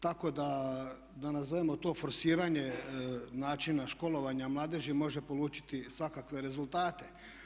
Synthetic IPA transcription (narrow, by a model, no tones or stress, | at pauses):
t̪ako̞d̪a | d̪anazoʋemo̞t̪o̞ːfoɾsiːɾaɲe̞naːt͡ʃinaʃko̞lˠo̞ʋaɲamlˠaːd̪eʒimo̞ʒepo̞luːt͡ʃi̥t̪isʋakakʋe̞ɾe̞zulˠt̪aːt̪e̞